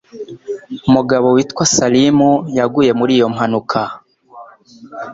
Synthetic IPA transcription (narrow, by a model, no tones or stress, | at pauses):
umuɡaβo̞wiːtkwasalimujaɡuje̞muɾiːjo̞mhanukʰa